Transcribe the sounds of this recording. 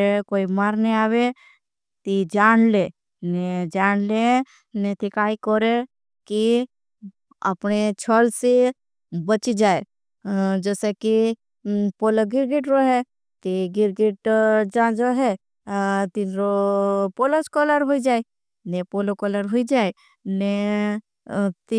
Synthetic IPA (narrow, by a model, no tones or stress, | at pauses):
koːimaɾneaːwe | t̪id͡ʒaːnle | ned͡ʒaːnle | net̪ikaːikɔɾe | ki | əpnet͡ʃʰəlse | bət͡ʃid͡ʒaːe | d͡ʒeːseki | poːləɡɪɾɡeʈɾoɦɛ | t̪iɡɪɾɡeʈd͡ʒad͡ʒoɦɛ | t̪iɾopoloskɔləɾɦoid͡ʒaːe | nepolokɔləɾɦoid͡ʒaːe | ne | t̪i